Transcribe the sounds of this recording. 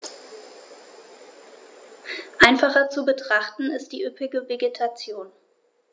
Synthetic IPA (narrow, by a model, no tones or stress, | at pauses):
ʔaɪnfaχɐt͡subətʁ̥aχtn̩ɪst̚d̥iːʔʏpɪɡəveɡetʰat͡sjoːn